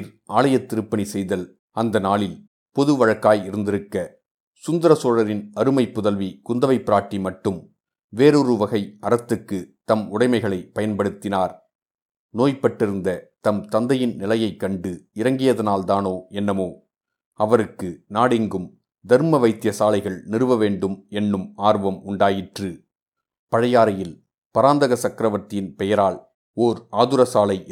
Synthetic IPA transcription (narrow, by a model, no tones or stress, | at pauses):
ɾʔaːɭɐjɐt̪ːɪɾɯpːɐɳisɛjðɐl | ɐnd̪ɐnaːɭɪl | pɔðɯʋɐɻɐkːaːjɪɾɯnd̪ɪɾɯkːɐ | sʊnd̪ɐɾɐsoːɻɐɾɪnɐɾɯmɐɪpːʊðɐlʋikʊnd̪ɐʋɐɪpːɪɾaːʈːimɐʈːɯm | ʋeːɾɔɾɯʋɐɣɐɪʔɐɾɐt̪ːɯkːɯt̪ɐmʊɽɐɪmɐɪɣɐɭɐɪpɐjɐnpɐɽɯt̪ːɪnaːɾ | noːjpɐʈːɪɾɯnd̪ɐt̪ɐmt̪ɐnd̪ɐjɪnnɪlɐjɐɪkːɐɳɖɯɪɾɐŋɡɪjɐðɐnaːlt̪aːnoːʔɛnːɐmoː | ɐʋɐɾɯkːɯnaːɽɪŋɡɯm | d̪ɐɾmɐʋɐɪt̪ːɪjɐsaːlɐɪɣɐɭnɪɾɯʋɐʋeːɳɖɯmɛnːɯmaːɾʋɐmʊɳɖaːjɪʈrɯ | pɐɻɐjaːɾɐjɪl | pɐɾaːnd̪ɐɣɐsɐkɪɾɐʋɐt̪ːɪɪnpɛjɐɾaːɭ | oːɾaːðɯɾɐsaːlɐɪ